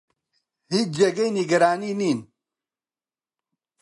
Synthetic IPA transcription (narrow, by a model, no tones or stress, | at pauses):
hid͡ʒɛɡejniɡɐɾaːniːniːn